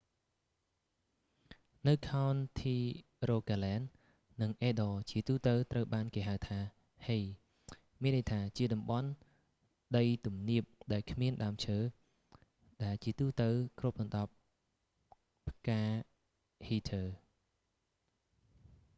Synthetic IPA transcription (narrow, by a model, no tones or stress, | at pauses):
nɨwkʰaɔnt̪ʰiː | roːkaːlɛːnː | ɨŋʔeːɗɔːt͡ɕiət̪uːt̪əwt̪rəwɓaːnkeːɦaəwt̪ʰaː | hej | miənʔəjt̪ʰaːt͡ɕiəɗɑmɓɑn | ɗəjt̪umniəp̚ɗaɛlkʰmiənɗaəmt͡ɕʰəː | ɗaɛlt͡ɕiət̪uːt̪əwkrup̚ɗɑnɗɑp̚ | pʰkaː | hiːt̪ʰəː